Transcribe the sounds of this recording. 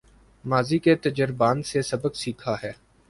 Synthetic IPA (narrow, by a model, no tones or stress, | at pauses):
maːziːket̪əd͡ʒəɾbaːnsesəbəksiːkʰaːɦɛː